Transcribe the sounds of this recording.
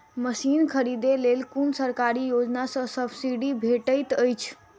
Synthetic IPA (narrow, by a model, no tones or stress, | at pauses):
məsinkʰəɾid̪elelkunsəɾkaɾijod͡ʒnasə̃səbsiɖibʱeʈəjt̪əjt͡ʃʰ